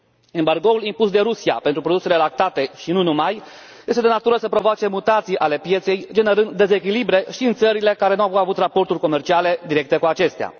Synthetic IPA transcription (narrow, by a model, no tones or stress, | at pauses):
embarɡo̞ulimpusd̪e̞ɾusia̰pe̞nt̪ɾupɾod̪use̞le̞lak̚t̪at̪e̞ʃinunumaj | jest̪ed̪nat̪uɾəsəpɾo̞voat͡ʃe̞mut̪at̪sijʔale̞pje̞t̪se̞jd͡ʒe̞ne̞ɾɨnd̪d̪ːe̞ze̞k̬ʲilibɾe̞ʃiɨnt̪səɾile̞kaɾe̞nuaavut̪rapo̞rt̪urʲko̞me̞rt͡ʃiale̞d̪iɾe̞k̚t̪e̞kuat͡ʃe̞st̪ea̰